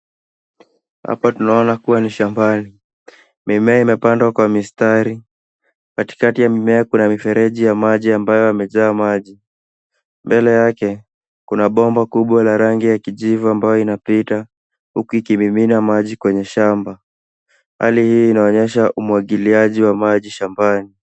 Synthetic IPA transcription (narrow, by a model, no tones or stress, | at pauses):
ha̰patunaɔnakuwaniʃambani | mimɛaimɛpandwakwamistaɾi | kati̥katijamimɛakunamifɛɾɛʄijamaʄiambajɔamɛzaːmaʄi | mbɛlɛjakɛ | kunaɓɔmbakuɓwalaɾaŋɡijakiʄivuambajɔinapita | hukuikimiminamaʄikwɛɲɛʃamba | ha̰lihiːnaɔɲɛʃaʔumuaɠiliaʄiwamaʄiʃambani